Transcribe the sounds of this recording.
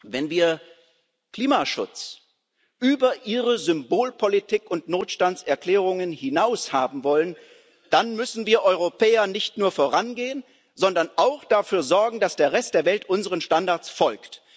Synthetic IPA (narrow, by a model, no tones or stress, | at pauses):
vɛnviːɐ | kl̥iːmaʃʊ̰t͡s | ʔyːbɐʔiːʁəzʏmboːlpʰolitʰɪkʊntnoːtʃtantt͡sɛɐkl̥ɛːʁʊŋənhɪnaʊshaːbm̩vɔlən | d̥anmʏsn̩viːɐʔɔʏʁopʰɛːɐnɪçtnuːɐfoːʁanɡeːən | zɔndɐnʔaʊxd̥afyːɐzɔɐɡŋ̩d̥asd̥eːɐʁɛstd̥eːɐvɛltʔʊnzəʁənʃtandaɐt͡sfɔlkt